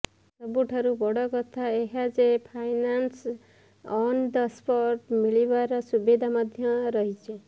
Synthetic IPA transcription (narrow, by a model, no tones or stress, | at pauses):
sɔbuʈʰɔɾubɔɽɔkɔt̪ʰaeɦad͡ʒepʰajnans | ɔnɖɔspɔɾʈmiɭibaɾɔsubid̪ʱamad̪ʱjɔɾɔɦit͡ʃʰe